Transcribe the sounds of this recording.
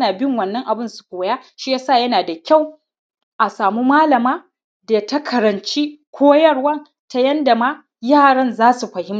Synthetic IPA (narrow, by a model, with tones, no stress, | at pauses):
naː˨bɪ˦ŋwɐ˨nːɐ˦ŋʔa˨bɪ˦nsu̥˨kʷoː˨jaː˦ʃiː˦jaː˦saː˦˨jɐ˦naː˨da˨kʲa˦˨w | ʔa˨saː˨mu˦maː˦lɐ˨maː˦ | da˨tɐ˦kʰɐ˨ɾɐ˨nt͡ʃiː˦kʷʰoː˦jɐ˦ɽwɐ˦˨n | ta˨jɐ˦nda˨maː˦ | jaː˦˨ɽɐ˦nzaː˦su˨ɸɐ˨hɪ˦m